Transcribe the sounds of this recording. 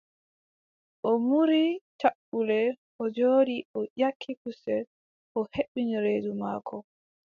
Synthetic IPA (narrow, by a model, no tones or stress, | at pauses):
ʔɔmuɾitaɓːulɛ | ʔɔd͡ʒoːdiʔɔʔakʰːikusɛl | ʔɔheɓːiniɾeːduma̰ːkʰɔ